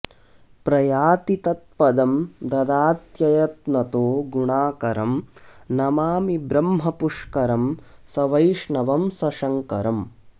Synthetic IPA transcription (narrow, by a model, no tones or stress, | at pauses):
pɾɐjaːt̪it̪ɐt̪̚pɐd̪ɐmd̪ɐd̪aːt̪jɐjɐt̪nɐt̪oːɡuɳaːkɐɾɐmnɐmaːmibɾɐmɦɐpuʂkɐɾɐmsɐʋɐjʂɳɐʋɐmsɐʂɐŋkɐɾɐm